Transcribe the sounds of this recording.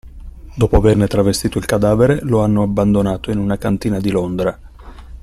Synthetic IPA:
d̪ɔːpoavernet̪ɾavest̪iːt̪oilkad̪aːveɾeloanːoabːand̪onaːt̪oinunakant̪iːnad̪ilond̪ɾa

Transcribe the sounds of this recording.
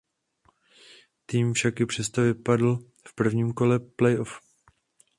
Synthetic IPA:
t̪iːmfʃakjɪpr̝̥ɛst̪ovɪpadl̩ | fpr̩vɲiːmko̞lɛplɛjʔof

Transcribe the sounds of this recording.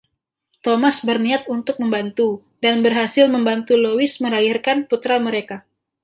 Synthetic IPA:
t̪omasbərniat̪̚unt̪ʊk̚məmbant̪u | danbərɦasɪlməmbant̪ulowɪsməɾairkanput̪ɾaməɾeka

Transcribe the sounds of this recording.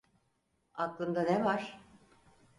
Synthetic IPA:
ak̪lˠɯnd̪anevaɾ̥

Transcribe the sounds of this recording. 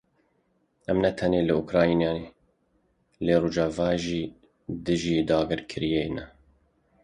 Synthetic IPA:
ɛmnɛt̪ʰɛneːlɨukɾɑːjinjɑːneː | leːroːʒɑːvɑːʒiː | d̪ɨʒiːd̪ɑːɡɨɾkʰɨɾijejnɛ

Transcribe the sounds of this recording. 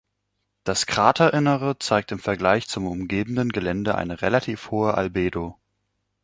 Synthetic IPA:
d̥askʁ̥aːtʰɐʔɪnəʁət͡saɪk̚tɪmfɛɐɡlaɪçt͡sʊmʊmɡeːbn̩dənɡəlɛndəʔa̰ɪnəʁelatʰiːfhoːəʔa̰lbeːdo

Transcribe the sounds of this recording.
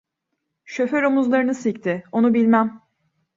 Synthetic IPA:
ʃøføɾomuzlˠaɾɯnɯsict̪ʰɪo̞nubilʲmæm

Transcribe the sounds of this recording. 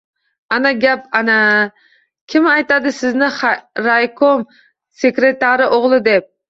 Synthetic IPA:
anaɡʲapana | kʲʰɪmajt̪ad̪ɪsɪznɪɾajkʰom | sekɾet̪aɾɪʔoʁlˠɪd̪ep̚

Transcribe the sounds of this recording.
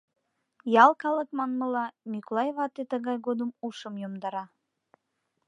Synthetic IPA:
jɑlˠkɑləkmɑnməlɑnʲikolˠɑjβɑt̪ːet̪əɣɑjɣod̪əmuʃəmjomd̪ɑɾɑ

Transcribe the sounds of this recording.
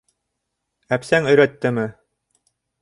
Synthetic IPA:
æpsæŋɵ̆jɾæt̪ːɘmɘ

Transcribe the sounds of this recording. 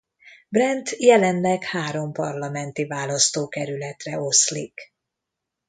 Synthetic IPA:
brɛnt̪jɛlɛnlɛkhaːɾo̞mpɒrlɒmɛnt̪ivaːlɒst̪oːkɛɾylɛt̪rɛo̞slḭk

